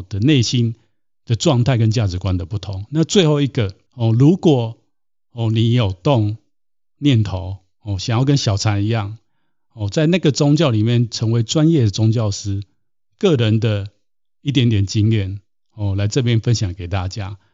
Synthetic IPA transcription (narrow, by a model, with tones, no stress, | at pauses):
d̪ə˨ne˥˩ɪɕi˦n | d̪̥ə˨t͡swɑ˥˧ŋt̪ʰa˥˩ɪkə˦nt͡ɕja˥˨ʈ͡ʂɻ̩˨˦kwa˦nd̪ə˨pu˥˩t̪ʰo˨˦ŋna˥˧t͡swe˥˧ɪxo˥˧ʊi˧˥ɡə˨ | hɔ˥˨lu˨˧˥kwɔ˨˩ | hɔ˥˩ni˨˦jo˨˩ʊt̪o˥˨ŋ | njɛ˥˨nt̪ʰo˨˦ʊ | hɔ˥˨ɕjŋjɑ˥˩ʊk̬ə˦nɕjɑ˨˩ʊt͡sʰa˨˥ni˧˦jɑ˥˨ŋ | hɔ˥˨t͡sa˥˧ɪna˥˩ɡə˩t͡sʊ˥ŋt͡ɕjɑ˥˩ʊli˨˩mjɛ˥˨nt͡sʰə˧˦ŋwe˧˥ɪt͡swa˦njɛ˥˨d̪ə˨t͡sʊ˦ŋt͡ɕjɑ˥˨ʊsɹ̩˥ | kɤ˥˨ɻə˨˦nd̪ə˨ | i˥˩t̪̬jɛ˧˦nt̪jɛ˨˩nt͡ɕi˦ŋjɛ˥˨n | hɔ˥˨˩la˧˥ɪt͡sɤ˥˧p̬jɛ˦nfə˦nɕjɑ˨˩ŋke˨˩ɪt̪a˥˧t͡ɕja˦